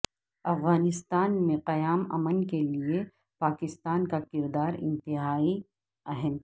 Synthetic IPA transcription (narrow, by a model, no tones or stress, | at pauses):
ɐfɣaːnɪst̪aːnmẽqɐjaːmɐ̰mənkelie | paːkɪst̪aːnkakɪɾd̪aːɾɪ̰̃nt̪ɪɦaːi | ɐɦən